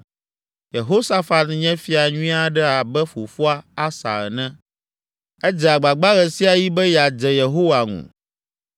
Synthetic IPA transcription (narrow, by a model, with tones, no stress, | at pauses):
je˨ɦo˦sa˦fa˨nɲɛ̃˦fi˦a˨ɲũ˦ĩ˦a˦ɖɛ˦a˨bɛ˦fo˨fu˦a˦a˦sa̰˨ɣɛ˨nɛ̃˦ | ɛ˦d͡ʒɛ˨a˨ɡ͡ba˨ɡ͡ba˦ɣɛ˨si˦a˨ji˦bɛ˦ja˨d͡ʒɛ˨je˨ɦo˦wa˨ŋṵ̃˨